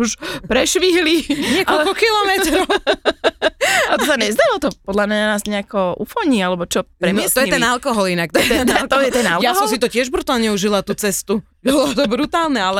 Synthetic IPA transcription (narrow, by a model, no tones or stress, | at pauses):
uʃpɾɛʃʋiɦliɲɪɛkɔlkɔkilɔmɛt̪ɾɔʊ | t̪ɔsaɲɛzd̪aɔt̪ɔpɔd̪lamɲananaːzɲɛakɔʔṵfɔɲialɛbɔt͡ʃɔpɾɛmt̪ɔjɛt̪ɛnalkɔɦɔlinak̚t̪ɔjɛt̪ɛlɔjɛt̪ɛnaljasɔmsit̪ɔcɪɛʒbɾut̪aːlɲɛuʒilat̪uːt͡sɛst̪u | bɔlɔt̪ɔbɾut̪aːlnɛalɛ